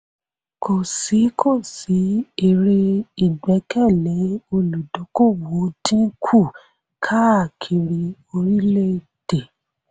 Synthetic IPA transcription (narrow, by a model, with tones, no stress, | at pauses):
kʰo˨si˨˦kʰo˦˨si˨˦e˧ɾe˧i˨ɡ͡bɛ˨˦kɛ˦˨lɛ̃˨˦o˧lu˨dɔ˨˦ko˦˨wo˨˦tĩ˦kʰu˦˨ | kʰa˦a˦˨kʰi˧ɾĩ˧ | o˧ɾi˦le˦˨ | d̥e˨